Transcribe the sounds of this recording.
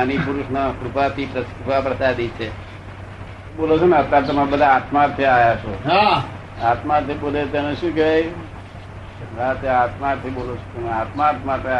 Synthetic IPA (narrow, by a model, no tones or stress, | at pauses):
anipuɾʊʃnəkɾupat̪ʰipɾəkɾupapɾɐsad̪it͡ʃʰe | bolot͡ʃʰonaəpɾat̪əmãbəd̪ʱaːt̪maɾt̪ʰeajat͡ʃʰoɦa | at̪mat̪ʰebolet̪aneʃũkej | ɦat̪eat̪maɾt̪ʰibolot͡ʃʰo̥t̪emãat̪maːt̪mat̪ʰea